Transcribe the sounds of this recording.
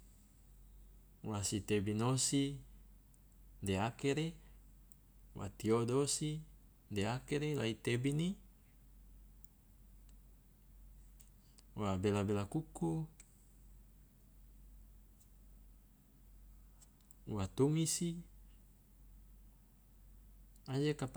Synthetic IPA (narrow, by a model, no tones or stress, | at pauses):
wasit̪ebinosi | deakeɾe | wʔa̰t̪iodosi | deakeɾelait̪ebini | wabelabelakuku | wat̪umisi | ad͡ʒekap